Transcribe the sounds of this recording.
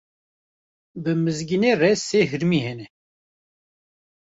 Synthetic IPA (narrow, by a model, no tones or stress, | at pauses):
bɨmɨzɡineːrɛseːɦɨɾmiːhɛnɛ